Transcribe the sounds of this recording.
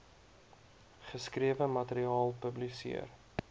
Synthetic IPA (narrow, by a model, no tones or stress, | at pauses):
χəskriəvəmɐtəɾiɑːlˠpəblisḭər